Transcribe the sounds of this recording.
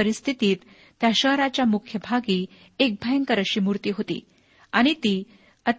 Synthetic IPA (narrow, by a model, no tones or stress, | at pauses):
əɾist̪ʰit̪iːt̪ː | jaɕəɦɾat͡ɕjamukʰjəbʱaɡiː | ek̚bʱəjəŋkəɾəɕiːmuɾt̪iːɦot̪ḭː | aɽ̃it̪iː | ət̪